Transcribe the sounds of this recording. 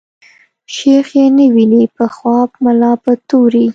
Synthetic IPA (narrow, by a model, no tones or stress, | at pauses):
ʃexjenəwinipəxwɑbmalɑpət̪oɾi